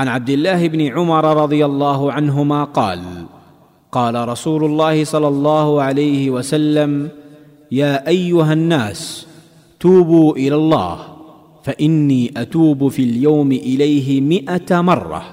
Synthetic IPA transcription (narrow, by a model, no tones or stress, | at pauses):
ʕanʕab̚d̪ɪlːaːhɪbnɪʕʊmɑɾˤɑɾˤɑd̪ˤɨjalˤːɑːɦʊʕanɦʊmaːqɑ̰ːl | qɑːlaɾˤɑsuːlʊlˤːɑːhɪsˤɑlːɑlˤːɑːhʊʕalajhɪwasalːam | jaːʔajːʊɦanːaːs | t̪uːbuːʔɪlalˤːɑ̰ːh | faʔɪnːiːʔat̪uːbʊfiljawmɪʔɪlajɦɪmɪʔat̪amɑrˤːɑ̰